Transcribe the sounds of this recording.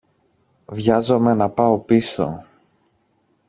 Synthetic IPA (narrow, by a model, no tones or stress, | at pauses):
vʝɐzo̞me̞nɐpɐo̞piso̞̰